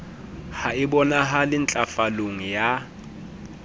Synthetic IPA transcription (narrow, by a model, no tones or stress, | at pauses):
haɪbɔnaɦalɪn̩t͡ɬʼafaloŋ̩ja